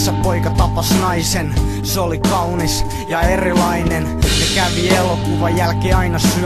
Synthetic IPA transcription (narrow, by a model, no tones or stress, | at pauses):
sːɑpoikɑt̪ɑpɑsnɑisen | seolikɑunis | jɑerilɑinensekæʋielokuʋɑjælkeːɑinɑsy